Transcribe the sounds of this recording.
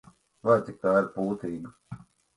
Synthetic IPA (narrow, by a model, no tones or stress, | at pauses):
ʋaːt͡ʃikaːɾpuːt̪iːn